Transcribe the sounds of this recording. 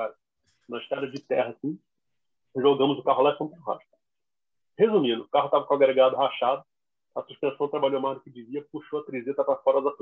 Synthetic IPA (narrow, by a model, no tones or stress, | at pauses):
aɾ | nɐʃt̪ɛɾɐzd͡ʒɪt̪ɛɦɐsĩ | ʒoɡɐ̃mʊzʊkaɦʊlasɐ̃mp̪ũɦa̰ʃt̪ | hezũmĩnd̪ʊkaɦʊt̪avɐkõaɡɾeɡad̪ʊaʃad̪ʊ | ɐsuʃpẽsɐ̃d̪ʊt̪ɾabaʎomazd̪ʊkɪd͡ʒiviɐpuʃowɐt̪ɾizet̪ɐpɾɐfɔɾɐzɐt